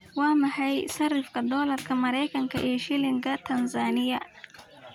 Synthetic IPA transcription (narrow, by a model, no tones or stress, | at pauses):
wɑːmɐħɑjsɐrɪfkʰɐd̪ɔːlɐrkʰɐmɐɾɛjkʰɐŋkʰɐ̰ʔɛːʃɪlɪŋkʰɐt̪ʰɐnsaːnɪjɐ